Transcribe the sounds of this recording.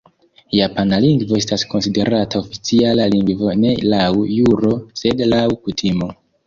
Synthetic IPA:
japanaliŋɡvo̞e̞stasko̞nside̞ɾatʰao̞fit͡sialaliŋɡvo̞ne̞lawjuɾo̞se̞dlawkutʰimo̞

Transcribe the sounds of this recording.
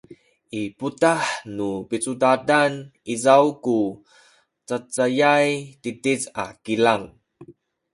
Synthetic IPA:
ʔiputaħnupit͡sudadanizawku | t͡sat͡sajajtitiza̰kilaŋ

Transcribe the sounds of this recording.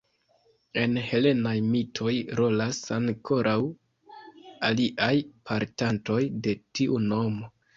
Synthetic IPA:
e̞nhe̞le̞najmitʰo̞jɾo̞lasaŋkʰo̞ɾʔaw | aliʔajpʰaɾtanto̞jde̞tiʔuno̞mo̞

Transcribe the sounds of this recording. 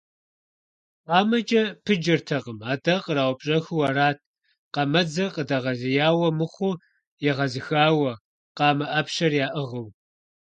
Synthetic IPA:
qɑːmɐd͡ʒʼɐpʰɨd͡ʒɐrtʰɐqəmaːdɐqəɾaːwʷpɕʼɐxwɐɾaːtʰ | qɑmɐd͡zɐqədɐʁɐzɪjaːwɐmɨχʷʊ | jɛʁɐzɨxaːwɐ | qɑːmɐʔɐpɕɐrjaːʔɨʁəw

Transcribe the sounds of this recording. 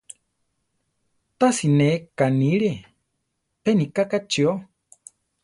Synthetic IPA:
t̪asinekaniɺe | penikakat͡ʃio

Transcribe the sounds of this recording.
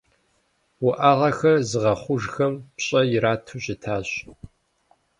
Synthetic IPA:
wʊʔaʁɐxɐrzɨʁɐχʷʊʒxɐmpɕʼɐjɪɾaːtʰuɕɪtʰaːɕ

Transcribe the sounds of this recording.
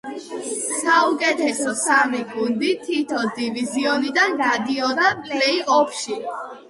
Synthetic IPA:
saukʼɛt̪ʰɛsɔsamiɡund̪it̪ʰit̪ʰɔd̪iviziɔnid̪anɡad̪iɔɾapʼllɛiʔɔpʰʃi

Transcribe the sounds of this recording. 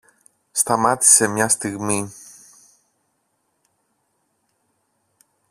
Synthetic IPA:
st̪ɐmɐt̪i̥se̞mɲɐst̪iɣmi

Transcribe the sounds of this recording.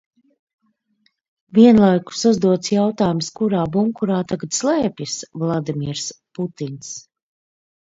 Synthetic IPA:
viɛnlˠajku̥suzd̪uɔt̪sjawt̪aːjumskuɾaːbuŋkuɾaːt̪aɡat̪slˠɛːpʲjisvlˠad̪imʲiɛɾsput̪ins

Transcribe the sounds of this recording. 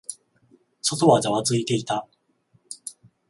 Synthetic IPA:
so̞t̪o̞βad͡ʑaβat͡sɨit̪e̞it̪a

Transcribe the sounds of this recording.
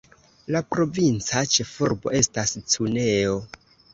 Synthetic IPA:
lapɾo̞vint͡sat͡ʃe̞fuɾbo̞e̞stast͡sune̞o

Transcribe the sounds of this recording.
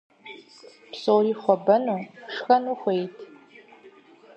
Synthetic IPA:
psoːɾiːχʷɔbɐnuʂxɐnuχʷejtʰʼ

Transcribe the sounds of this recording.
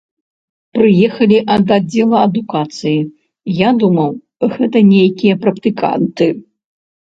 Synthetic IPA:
pɾɨjɛxɐlʲiʔɐd̪ad͡zʲːɛlˠɐɐd̪ukat̪sɨji | jad̪umɐw | ɣɛt̪ɐnʲejkʲijɐpɾɐkt̪ɨka̰nt̪ɨ

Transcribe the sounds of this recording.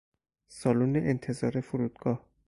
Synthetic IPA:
sɒːluːneʔent̪ʰe̞zɒːɾe̞fuɾuːd̪̥̚ɡ̥ɒːh

